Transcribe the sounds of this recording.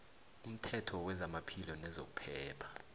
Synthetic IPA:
um̩tʰɛtʰɔwɛzamapʰilɔnɛzo̰k̬u̥pʰɛːpʰḁ

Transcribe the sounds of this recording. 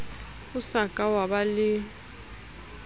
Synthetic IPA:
usakʼawaɓalɪ

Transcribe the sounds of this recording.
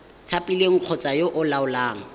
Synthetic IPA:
t͡sʰapʼileŋ̩q͡χʰɔt͡sʼajoʔʊlaʊlaːŋ̩

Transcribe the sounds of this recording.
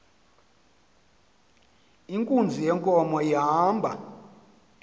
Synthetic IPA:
iŋkʼund͡zʱijɛŋkʼɔmɔjiɦaːmbʱa

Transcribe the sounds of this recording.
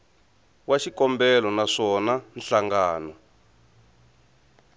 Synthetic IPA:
waʃikɔmbɛlɔnaʂɔnanɬaŋɡaːnɔ

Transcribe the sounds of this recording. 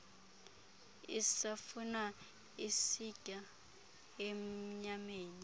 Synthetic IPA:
isafuna | isikʼa | em̩ɲameːni

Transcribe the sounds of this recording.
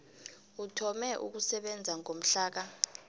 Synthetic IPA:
utʰɔmɛʔṵk̬usɛɓɛnd͡zʱaŋom̩ɬaːk̬a

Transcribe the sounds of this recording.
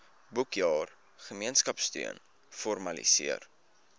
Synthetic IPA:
bukjɑːr | χəmiənskɐpsty̰ən | fɔrmɐlḭsḭər

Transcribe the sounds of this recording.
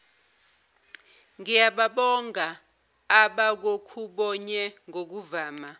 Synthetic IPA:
ŋijaɓaɓɔŋaː | ɓak̬okʰuɓɔɲɛŋʱok̬uvaːma

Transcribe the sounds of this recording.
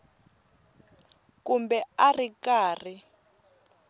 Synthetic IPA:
kumbɛarikaːr̤i

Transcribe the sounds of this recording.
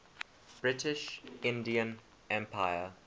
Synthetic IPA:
b̥ɹɪtɪʃɪ̃ndiə̃n | ʔɛ̃mpʰaɪə

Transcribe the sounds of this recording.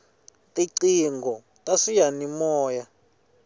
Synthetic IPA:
tʼiǀiŋɡʱɔ | tʼaʂijanimɔːja

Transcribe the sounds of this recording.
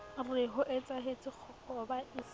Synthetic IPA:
rɪɦʊʔet͡sʼaɦet͡sʼɪk͡xʰɔkɔbais

